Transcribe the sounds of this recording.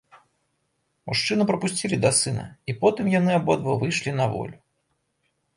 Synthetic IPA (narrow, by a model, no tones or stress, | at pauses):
muʂt͡ʂɨnɨpɾɐpusʲt͡sʲilʲid̪ɐsɨnɐ̰ipɔt̪ɨmjanɨabɔd̪vɐvɨjʂlʲinɐvɔ̰lʲu